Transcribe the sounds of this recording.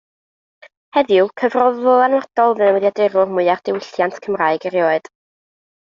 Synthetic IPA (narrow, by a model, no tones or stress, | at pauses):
hɛðjʊkʰəvrɔðʊlˠanwad̥ɔlˠvɨnəwɛðjadɪɾʊrmʊɨard̥ɪwɪɬjantʰkʰəmraːɨɡəɾjoːɨd̥